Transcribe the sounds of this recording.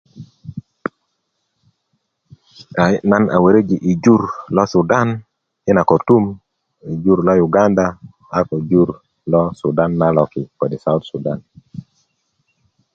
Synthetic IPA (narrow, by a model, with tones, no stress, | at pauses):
a˨na˦na̰˨we˨ɾe˦d͡ʒi˨ʔi˨d͡ʒu˦ɾlɔ˦su˨da˦n | ɪ˦na˨kɔ˨tu˦m | i˨d͡ʒu˦ɾlɔ˦juɡa˦nda | a˦kɔ˨d͡ʒu˦ɾ | lɔ˦suda˦nːa˦lɔ˨ki˨kɔ˨di˨sa˦ut̪su˨da˦n